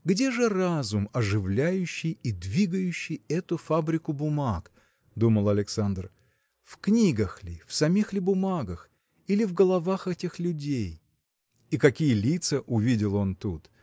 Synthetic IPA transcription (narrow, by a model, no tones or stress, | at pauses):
ɡdʲe̞ʐɨrazʊmɐʐɨvlʲæjʉɕːɪjid̪vʲiɡəjʉɕːɪjɛt̪ʊfabɾʲɪkʊbʊmak | d̪uməlˠɐlʲɪksand̪r | fknʲiɡəxlʲɪfsɐmʲixlʲɪbʊmaɡəx | ilʲɪvɡəlˠɐvaxɛtʲɪxlʲʉdʲej | ikɐkʲijəlʲit̪səʔʊvʲidʲɪlˠo̞nt̪ut̪